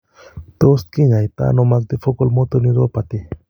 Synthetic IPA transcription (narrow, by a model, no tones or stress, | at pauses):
t̪ɔst̪̚kiŋajt̪a̰nɔmak̚d̪ifʰɔkɔlmɔt̪ɔniɾɔpat̪i